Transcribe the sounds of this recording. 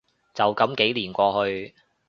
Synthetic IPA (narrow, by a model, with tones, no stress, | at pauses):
t͡sɐ˨wkɐ˨˥mke˨˥jliː˨˩nkʷɔː˧hɵ˧ɥ